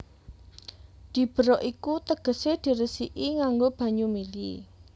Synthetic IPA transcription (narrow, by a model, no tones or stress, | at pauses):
d̪̥i̤b̥ə̤ɾɔʔikut̪əɡ̥ə̤sed̪̥i̤ɾəsiʔiŋaŋɡob̥ä̤ɲumili